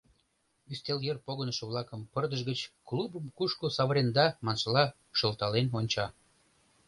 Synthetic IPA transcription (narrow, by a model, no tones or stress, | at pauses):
yst̪eljerpoɣənəʃə̆βlɑkəmpərd̪əʒɣət͡ɕklubəmkuʃkosɑβəɾend̪ɑmɑnʃəlɑ | ʃəlt̪ɑlenonʲt͡ɕɑ